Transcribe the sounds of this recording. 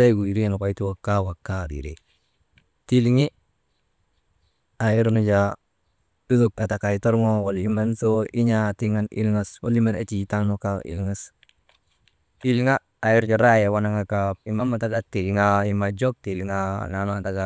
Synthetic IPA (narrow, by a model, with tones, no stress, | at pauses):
a˦ɡu˨i˨ɾi˦e˨na˨ka˨i˦tu˦wa˨ka˦wa˨kːa˦ɾḭ˨ɾḛ˨ | ti˦lŋi˦ | a˨ji˦ɾnu˦d͡ʒa˨ | u˦zu˨ka˨ta˨ka˨i˨to˦ɾŋo˦wo˨li˦ma˦nso˦i˦ɲa˦ti˦ŋa˦nḭ˦lŋa˦swo̰˦li˦ma˦na̰˦t͡ʃi˨˦ta˦ŋno˦ka̰˦ḭ˨lŋa˦s | i˦li˦ŋaː˦˨ji˦ɾd͡ʒo˨ɾa˦je˨wa˦na˦ŋa˨ka˦pi˨ma˦ma˨ta˦ɡa˨ti˨lŋa˦i˦ma˨d͡ʒo˦k̚ti˨li˨ŋa̰˦na˨no˦a˨ta˦ɡa˨